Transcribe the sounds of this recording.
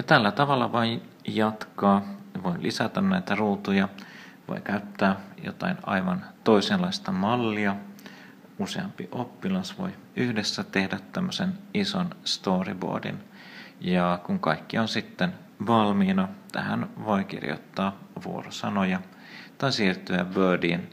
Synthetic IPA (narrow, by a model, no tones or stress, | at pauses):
jɑt̪ælːæt̪ɑʋɑlːɑʋoj | jɑt̪kɑːʋoilʔisæt̪ænnæit̪æruːt̪ujɑʋo̰ijkæyt̪ːæːjo̰t̪ɑ̰inɑ̰jʋɑnt̪o̞iselɑist̪ɑmɑlːiɑ | useɑ̰mpḭʔopːilɑsʋo̞̰j | yhdesːæt̪e̞hdæt̪ːæmːøsenisonst̪oːrḭbo̰ːdḭn | jɑkuŋkɑjkːionsit̪ːen | ʋɑlmiːnɑt̪æ̰hæ̰nʋo̞jk̟ḭrjo̰t̪ːɑːʋuorosɑnojɑ | t̪ɑisiːrt̪yæʋøːdiːn